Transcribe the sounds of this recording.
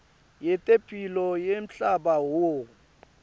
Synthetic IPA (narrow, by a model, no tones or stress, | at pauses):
jɛtʼepʰʼilɔjem̩ɬabawo